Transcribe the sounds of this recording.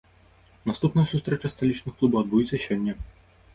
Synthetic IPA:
nast̪upnɐjɐsust̪ɾɛt͡ʂɐst̪alʲit͡ʂnɨxklˠubɐwɐd̪bujit̪sʲːɐɕʲɔnʲːɛ

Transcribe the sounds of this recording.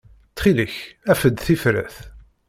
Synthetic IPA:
t͡sχiləçæfəd̪θifɾæ̰θ

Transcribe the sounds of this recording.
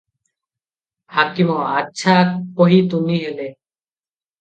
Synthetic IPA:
haːkimoatːʃʰaːpoɦiːt̪uniːɦeleː

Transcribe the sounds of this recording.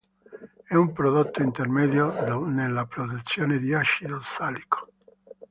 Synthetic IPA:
ɛumpɾoðot̪ːoint̪eɾmeðjonelapɾoðut̪sːjoned̪iaʃiðosalikʰo̥

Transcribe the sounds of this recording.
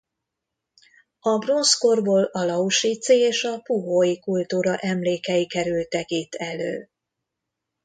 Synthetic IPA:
ɒbro̞nskorboːlɒlɒuʃit̪sieːʃɒpuɦojikult̪uːɾɒʔɛmleːkɛjikɛɾylt̪ɛkiːt̪ʰɛlø̰ː

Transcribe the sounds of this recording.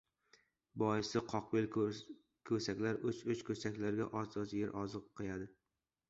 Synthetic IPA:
bɒjɪsɪqʰɒqbel | kʰɵsakʲlaɾʊt͡ʃʊt͡ʃkʰʲɵsakʲlaɾɡʲaʔɒzɒzɪjeɾʔɒzɨqqʰːɨjad̪ɪ

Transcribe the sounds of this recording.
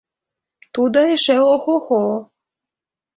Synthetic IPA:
t̪ud̪ɑeʃeoxoxol

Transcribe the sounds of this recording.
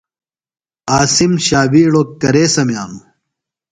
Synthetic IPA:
aːsimɕaːbiːɽoːkɐɾeːsɐmjaːnu

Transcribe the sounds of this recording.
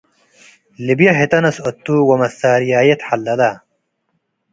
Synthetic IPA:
libjɐɦet̪ɐnɐsot̪ːuwɐmɐsaːɾijaːjet̪ħɐlːɐla

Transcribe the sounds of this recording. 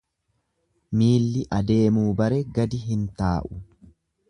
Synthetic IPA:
miːlːɪʔɐd̪e̞ːmuːbɐɾɛɡɐd̪ɪɦɪnt̪aːʔʊ̥

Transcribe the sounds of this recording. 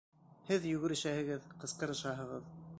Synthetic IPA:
hɘðjɵɡɘ̆ɾɘ̆ʃæhɘ̆ɡɘðqɤ̆sqɤ̆ɾɤ̆ʃɑɦɤ̆ʁɤð

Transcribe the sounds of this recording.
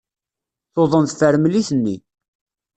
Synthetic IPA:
θoðˤənt̪θəɾmliθənːi

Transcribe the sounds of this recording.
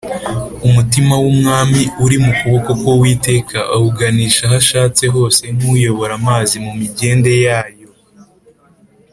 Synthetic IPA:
umutimawumŋaːmiuɾimukuβo̞ko̞ko̞wiːte̞ːkʰaʔahuɡaniːʃahaʃaːt͡se̞ɦo̞ːse̞n̥ujo̞βo̞ɾamaːzimumiɟe̞ːnde̞jaːjo̞

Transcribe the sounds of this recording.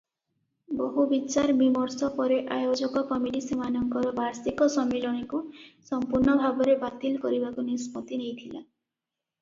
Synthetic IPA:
boɦubit͡ʃaɾbimɔɾsɔpɔɾeʔajod͡ʒɔkɔkɔmiɖisimanɔŋkɔɾɔbaɾsikɔsɔmilɔɽ̃ikusɔmpuɾnɔbʱabɔɾebat̪ilɔkɔɾibakunisput̪inejt̪ʰila

